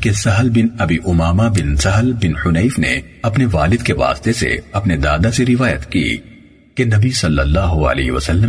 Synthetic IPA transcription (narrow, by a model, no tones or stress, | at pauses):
kesɐɦlbɪnɐbiːʔʊmaːmabɪnsɐɦlbɪnhʊnɐːfnḛ | ɐpneʋaːlɪd̪keʋa̰ːst̪esḛɐpned̪aːd̪aseɾɪʋaːjət̪kḭː | kenɐbisɐlːɐlːaːɦʊɐ̰lḛːɦeʋɐ̰sɐlːə